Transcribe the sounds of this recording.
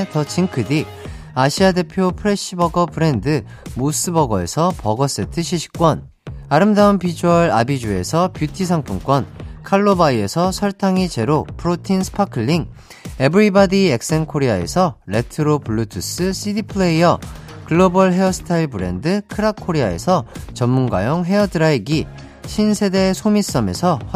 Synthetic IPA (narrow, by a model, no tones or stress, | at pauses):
tʌt͡ɕiŋkʰɯdi | aɕʰiade̞pʰjopʰɯɾe̞ɕibʌɡʌpɯɾe̞ndɯ | mos͈ɯbʌɡʌe̞̰sʰʌpʌɡʌs͈etʰɯɕʰiɕʰi̥k͈wʌn | aɾɯmdaunpid͡ʑuʌɾa̰bid͡ʑue̞̰sʰʌpjutʰis̬ʰaŋpʰuŋk͈wʌnkʰaɭːobaie̞sʰʌsʰʌɭtʰaŋit͡ɕe̞ɾopʰɯɾotʰinsʰɯ̥pʰakʰɯɭːiŋ | e̞bɯɾibadie̞k̚s͈e̞nkʰoɾeae̞̰sʰʌɾe̞tʰɯɾopuɭːutʰus͈ɯsʰidipʰɯɭeiʌ | kɯɭːobʌɭɦe̞ʌsʰɯ̥tʰaiɭbɯɾe̞̰ndɯkʰɯɾakʰːoɾiae̞̰sʰʌt͡ɕʌmːunɡwa̰joŋɦe̞ʌdɯɾaiɡi | ɕʰinsʰe̞de̞sʰomis͈ʌme̞sʰʌ